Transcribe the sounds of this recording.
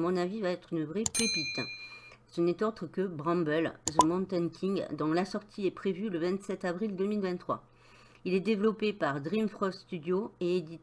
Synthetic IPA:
mɔ̃navivaɛt̪χynəvʁepepit̪ | sənɛt̪ot̪χəkəbʁɑ̃bœlʒəmɔ̃t̪ɛnkʲʰiŋɡd̪ɔ̃lasɔʁt̪ʰiɛpχevyləvɛ̃t̪sɛt̪avʁild̪ømilvɛ̃t̪t̪ːχwa̰ | ilɛd̪evlɔpepaʁd̪ʁimfχɔst̪yd̪joeed̪i

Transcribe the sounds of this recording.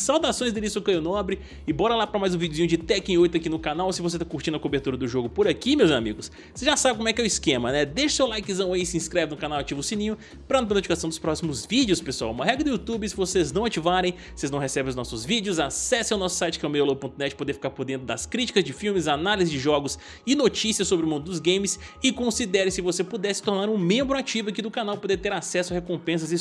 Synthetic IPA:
sawd̪asõj̃zd̪ɪlisokẽjʊnɔbɾɪ | ɪbɔɾɐlapɾɐmajzʊ̃vid͡ʒɪʊzĩɲʊd͡ʒɪt̪ɛkẽojt̪ʊakinʊkanawsɪvoset̪akuɾt͡ʃĩd̪ʊɐkobeɾt̪uɾɐd̪ʊʒoɡʊpoɾakimewzamiɡʊs | sezʒasabɪkomʊɛkɪɛʊiskẽmɐnɛd̪eʃʊ̥sewlajkɪzɐ̃w̃isɪĩskɾɛvɪnʊkanawat͡ʃivʊsĩnĩɲʊ | pɾɐɐ̃np̬ɐnot͡ʃikasɐ̃w̃d̪ʊspɾɔsimʊzvid͡ʒɪʊspesua̰wũmɐɦɛɡɾɪɐd̪ʊjut̪ubɪsɪvoseznɐ̃w̃at͡ʃivaɾẽj̃voseznɐ̃w̃hesɛbẽʊznɔsʊzvid͡ʒɪʊzasɛsẽawnɔsʊ̥sajt͡ʃɪkɛwmejolopõt̪ʊnɛt͡ʃɪ̥pod̪eɾfi̥kaɾpoɾd̪ẽnt̪ɾʊd̪ɐskɾit͡ʃi̥kɐzd͡ʒɪfiwmɪzanalizɪzd͡ʒɪʒɔɡʊs | ɪnot͡ʃisiɐsːobɾɪʊmũd̪ʊd̪ʊzɡẽj̃mɪs | ɪkõsid̪ɛɾɪsɪvosepud̪ɛsɪ̥t̪oɾnaɾũmẽmbɾʊat͡ʃivʊɐkid̪ʊkanawpod̪eɾt̪eɾasɛsʊɐhekõpẽs̬ɐzi

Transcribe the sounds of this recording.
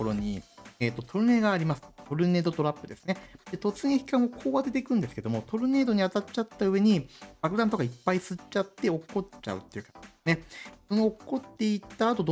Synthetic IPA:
oɾoɲ̟ieːt̪ːo̞t̪ʰo̞ɾɯ̟ne̞ɡaːɾʲimasɨ̥t̪o̞ɾɯ̟ne̞ːd̪o̞t̪o̞ɾapːɯ̟d̪e̞sɨ̥ned̪̥e̞t̪o̞t͡sɨŋeçi̥kãɰ̃okʰo̞ːβad̪e̞t̪e̞kɯ̟̃nd̪e̞sɨ̥ke̞d̪o̞mo̞t̪o̞ɾɯ̟ne̞ːd̪o̞ɲ̟iat̪at͡ɕat̪ːaɯ̟βe̞ɲ̟ibakɯ̟d̪ãnt̪o̞kaipːaisɨt͡ɕat̪ːe̞o̞kːo̞a̰ɯ̟t̪ːe̞iɯ̟kasne̞so̞noːkːo̞t̪ːe̞it̪aːt̪o̞d̪

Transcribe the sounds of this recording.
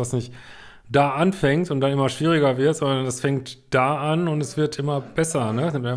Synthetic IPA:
vasnɪçt | d̥aːʔanfɛŋtʊntd̥anʔɪmɐʃv̥iːʁ̞ɪɡɐvɪɐtz̥ɔnɐɐndasfɛŋktd̥aːʔanʊntɛsv̥ɪɐtʔɪmɐb̥ɛsɐnəsnɪmta

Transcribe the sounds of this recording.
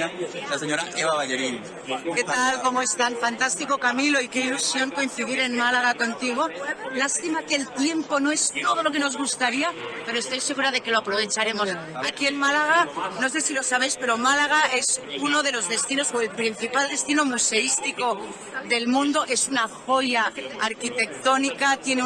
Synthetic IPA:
laseɲoɾaʔeβaβaʎeɾin | ket̪alko̞moe̞st̪anfant̪ast̪iko̞kamilo̞ike̞ilusjo̞ŋko̞in̟θiðiɾe̞nmalaɣ̞ako̞nt̪iɣ̞o̞last̪imakelt̪je̞mpo̞no̞e̞st̪o̞ð̞o̞lo̞k̬e̞no̞zɣ̞ust̪aɾiape̞ɾoest̪o̞jse̞ɣ̞uɾað̞e̞ke̞loapɾo̞β̞e̞t͡ʃaɾe̞mo̞s | akie̞nmalaɣ̞ano̞s̬e̞silo̞saβ̞e̞jspe̞ɾo̞malaɣ̞ae̞suno̞ð̞e̞lo̞zðe̞st̪ino̞soe̞lpɾin̟θipald̪e̞st̪inomuse̞ist̪iko̞ | ðe̞lmũnd̪o̞ʔe̞sunaxo̞ʝaaɾkit̪e̞k̚t̪o̞nikat̪jene

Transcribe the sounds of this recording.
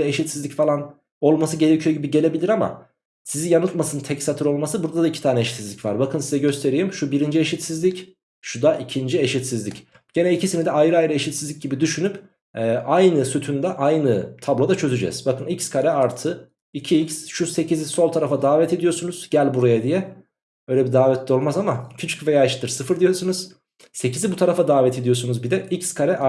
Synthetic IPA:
ɛeʃit̪sizlʲicfalˠan | o̞lˠmasɯɟe̞ɾe̞cʰyjo̞ɟibiɟe̞lʲe̞bilʲiɾama̰ | sizijanɯt̪masɯnt̪ʰɛcsat̪ʰɯɾo̞lˠmasɯbuɾd̪ad̪aicʰi̥t̪aːnɛeʃit̪sizlʲicva̰ɾbakʰɯnsizɛɟø̞st̪ʰe̞ɾijimʃubiɾind͡ʒieʃit̪sizlʲic | ʃud̪aʔicʰind͡ʒieʃit̪sizlʲic | ɟ̥e̞nɛicʰisinid̪ɛajɾɯajɾɯe̞ʃit̪sizlʲic̚ɟibid̪yʃynyp | ɛːʔajnɯsyt̪ʰynd̪ɛʔajnɯt̪ʰablˠod̪at͡ʃʰø̞zyd͡ʒɛ̰z̥bakɯnicskʰaɾɛaɾt̪ʰɯ | icʰiicsʃuse̞cʰiziso̞lˠt̪ʰaɾafad̪aːvɛt̪ʰed̪ijo̞sunuz̥ɟælʲbuɾajad̪ijɛ | ø̞jlʲɛbid̪aːvɛt̪ʰlʲio̞lˠmazamacʰyt͡ʃʰy̥cvejaːeʃt̪ʰːɯɾsɯfɯɾd̪ijo̞sunuz̥ | se̞cizibut̪ʰaɾafad̪aːvɛt̪ʰed̪ijo̞sunuzbid̪ɛicskʰaɾɛʔa

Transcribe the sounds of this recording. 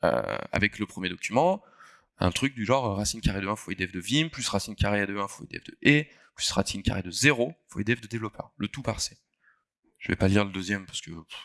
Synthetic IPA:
ø̰a̰vɛkləpχəmjed̪ɔkʲymɑ̃ | ɛ̰̃t̪χyk̚d̪yʒɑ̃ʁøʁasinkʲaʁed̪əɛ̃fed̪ɛfd̪əvimplysʁasinkʲaʁead̪əɛ̃foḛd̪ɛ̰fd̪əʔe | plysʁasinkʲa̰ʁed̪əzeʁofoḛd̪ɛfd̪əd̪evlɔpʰœ̰ʁlət̪upaʁse̥ | ʒ̥əvɛ̰paliʁləd̪øzjɛmpaʁsə̥kə

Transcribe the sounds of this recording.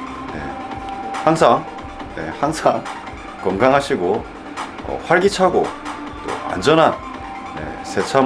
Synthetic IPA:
ne̞̰ | haŋsʰaŋ | je̞̰haŋsʰaŋ | kʌŋɡaŋɦaɕʰiɡo | ʌ̰ɸwaɭɡit͡ɕʰaɡo | t͈o̰a̰nd͡ʑʌnɦan | je̞̰sʰe̞t͡ɕʰa

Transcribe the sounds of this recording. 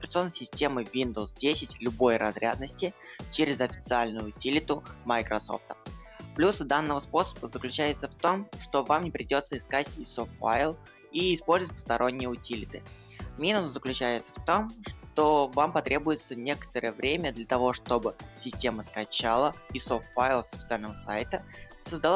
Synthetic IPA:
pʲɾʲɪt̪sɨo̞nːəjsʲɪsʲtʲe̞mɨvʲind̪əwsdʲesʲɪtʲlʲʊbo̞jrɐzɾʲa̰d̪nəsʲtʲɪt͡ɕeɾʲɪzɐfʲɪt̪sɨalʲnʊjʊʊtʲilʲɪt̪ʊmɐjkɾʔɐso̞̰ft̪ə̥ | plʲusd̪anːəvəspo̞sə̥bəzəklʲʉt͡ɕæjɪt̪səft̪o̞mʂt̪o̞vamnʲɪpɾʲɪdʲo̞t̪səɪskatʲisoffa̰ɪlˠ | iɪspo̞lʲzətʲpə̥st̪ɐɾʔo̞nʲːɪjəʊtʲilʲɪt̪ɨ | mʲinʊszəklʲʉt͡ɕæjɪt̪sə̥ft̪o̞mʂt̪o̞vampɐt̪ɾʲʔe̞bʊjɪt̪sənʲekə̥t̪əɾəjəvɾʲemʲəd̪lʲət̪ɐvo̞ʂt̪o̞bɨsʲɪsʲtʲe̞məskɐt͡ɕalˠəisoft̪fajlˠsfʲɪ̥t̪alʲnəvəsajt̪ə | səzd̪ɐlˠ

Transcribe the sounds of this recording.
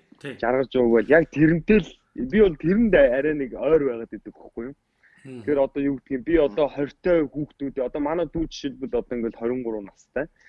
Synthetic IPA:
t͡ɕarʁə̆t͡ɕuːɣpæːɮjak̚t̪ʰeɾɘ̆m̥t̪ɘ̆ɮ | p̬ʲiʊɮt̪ʰeɾɘ̆nt̪æɾʲæːnekœːrpæːʁaːt̪et̪ɘ̆x̆χɡujʊ̆m | t̪ʰxeɾɔt̪ɔːjuːkt̪ɡiːmpʲiɔt̪ɔːχœr̥ʲt̪ʰœːxuːxt̪uːt̪iːɔt̪ɔːmanæːt̪uːt͡ɕʃiɮpɘ̆ɮɔt̪ɔːiŋɡĕɮχœɾʲɪ̆ɴɢʊɾʊːnast̪ʰæː

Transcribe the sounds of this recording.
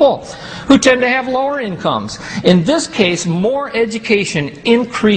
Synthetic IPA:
pl̩ˠ | hutʰɛ̃ntɨɨvloʊə˞ɪ̃nkʰʌ̰̃mz̥ɨ̃nðɪskʰeɪsmɔɹʔɛd͡ʒɨkʰeɪʃɨ̃nɪ̃nkʰɹ̥i

